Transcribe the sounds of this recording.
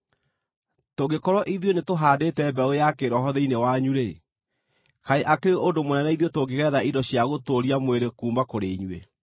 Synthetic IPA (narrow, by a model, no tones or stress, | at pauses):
toɡekɔɾɔʔiðjonetoɦaːdetɛːbɛojakeɾɔɦɔðeinewaɲuɾe | kaeʔakeɾeʔondomonɛnɛiðiotoɡeɣɛːðaʔidɔɕjaɣotoɾiamweɾekuːmbakoɾeiɲwe